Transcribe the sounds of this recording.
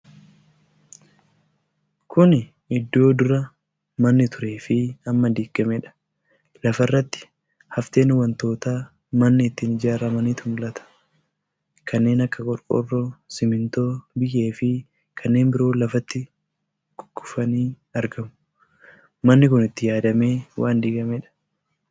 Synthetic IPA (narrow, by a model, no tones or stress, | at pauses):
kʰʊn | ɪd̪ːo̞ːd̪ʊɾɐ | mɐnːɪt̪ʊɾe̞ːfɪɐmːɐd̪iːɡɐmɛᶑɐ̥ | lɐfɐrːɐt̪ːɪ̥ | hɐft̪e̞ːnwɐnt̪o̞ːt̪aː | mɐnːɪːt̪ːɪnɪd͡ʒaːɾɐmɐniːt̪ʊmʊlɐt̪ʰɐ̥ | kʰɐnːe̞ːnɐkːɐkʼɔɾkʼɔ̰rːosɪmɪnt̪o̞ːbɪje̞ːfɪ | kʰɐnːe̞ːnbɪɾo̞ːlɐfɐt̪ːɪ | ɡ̥ʊ̥ɡːʊfɐniː | ɐɾɡɐmʊ̥ | mɐnːɪkʊnɪt̪ːɪjaːd̪ɐme̞ːwʔaːnd̪iːɡɐmɛᶑɐ̥